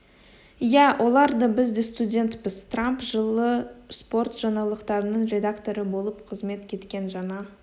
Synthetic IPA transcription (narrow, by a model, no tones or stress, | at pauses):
jæwʔo̞lˠɑɾd̪əbɪzd̪e̞st̪udʲe̞nt̪pɪzt̪rampʒəlˠəspo̞rt̪ʒ̥ɑnɑlˠəqt̪ɑɾənəɴɾʲe̞d̪akt̪o̞ɾəbo̞lˠəpqʰəzme̞t̪kʲʰe̞t̪kʲe̞nʒɑnɑ